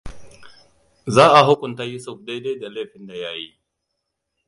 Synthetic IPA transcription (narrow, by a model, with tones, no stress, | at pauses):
zaː˦ʔa˨ɦʊ˦kʷʊ˨nta˦ji˦sʊ˦˨f̚de˦de˦da˨leː˦˨ɸɪ˦nda˨ja˦ji˦